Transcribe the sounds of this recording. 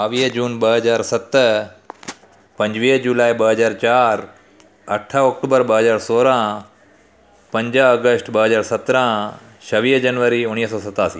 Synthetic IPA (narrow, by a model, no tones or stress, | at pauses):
aːʋiːɦd͡ʑuːnɓəɦəzaːɾsɐt̪ | pɐ̃ɲd͡ʑʋiːɦd͡ʒuːlaːibəɦəzaːɾt͡ʃaːɾ | ɐʈʰaɔːk̚ʈuːbəɾbəɦəzaːɾsoːɾã | pɐ̃ɲd͡ʒəɐɡəsʈbɐɦəzaːɾsɐt̪ɾã | ʃɐʋiːɦd͡ʒɐnʋəɾiʊñiːɦəsɔːsɐt̪aːsḭː